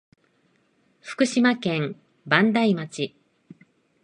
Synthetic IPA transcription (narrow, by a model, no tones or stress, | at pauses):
ɸɯ̟̥kɯ̟ɕimakẽ̞m | bãnd̪aimat͡ɕi